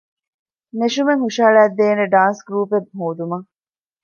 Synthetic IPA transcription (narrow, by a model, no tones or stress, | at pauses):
neʃumeŋɦuʃaːɭæːd̪ːeːneɖaːnsɡɾuːpebɦoːd̪umɐ